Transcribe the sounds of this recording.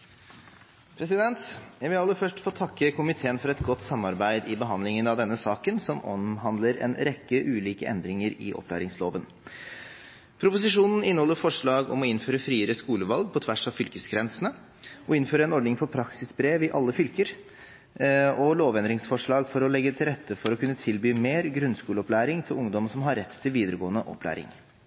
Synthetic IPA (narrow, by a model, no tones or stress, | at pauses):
pʰɾɛsɪd̪ɛnt̪jæɪʋɪlɑlːəɾfœʂʈfoːt̪ʰɑkːəkʊmɪt̪ʰeːənfɔɾɛt̪ɡɔt̪ːsɑmɑɾbæɪd̪ɪbəɦɑnd̪lɪŋənɑʋd̪ɛnːəsɑːkənsɔmɔ̰mɦɑnd̪ləɾɛ̰nɾɛkːəʔʉːliːkəʔɛ̰nd̪ɾɪŋəɾɪ̰ʔɔ̰pʰlæ̰ːɾɪŋsloːʋən | pʰɾʊpʊs̬ɪʂuːnn̩ɪnəhɔlːəfɔʂɭɑːɡɔ̰mɔɪnføːɾəfɾiːəɾəskuːləʋɑlɡ̚pʰɔt̪ʰʋæʂɑʋfʏlkəsɡɾɛnsənə | ɔɪnføːɾəɛnɔɖɳnɪŋfɔɾpʰɾɑksɪsbɾeːʋɪʔɑ̰lːəfʏlkəɾ | ɔloːʋɛnd̪ɾɪŋsfɔʂɭɑːɡfɔɾɔlɛɡːət̪ʰɪlɾɛt̪ʰːəfɔɾɔkʰʉnːət̪ʰɪlbyːmeːɾɡɾʉnskuːləɔplæːɾɪŋt̪ʰɪlʊŋd̪ɔmsɔmɦɑɾːɛt̪ʰːtʰːɪlʋiːd̪əɾəɡoːənəʔɔ̰pʰlæ̰ːɾɪ̰ŋ